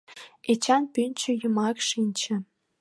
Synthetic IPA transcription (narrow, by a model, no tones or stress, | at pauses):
et͡ɕɑnpynʲt͡ɕə̆jumɑkʃinʲt͡ɕĕ